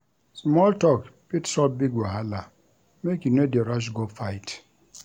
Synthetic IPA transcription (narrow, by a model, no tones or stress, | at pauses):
smɔltɔkpitsɔlbiɡwaɦala | mekjunodeɾaʃ̬ɡofajt